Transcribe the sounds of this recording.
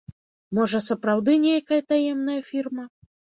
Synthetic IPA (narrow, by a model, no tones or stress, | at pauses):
mɔʐɐsɐpɾawd̪ɨnʲejkɐjɐt̪ajɛmn̪ɐjɐfʲirmɐ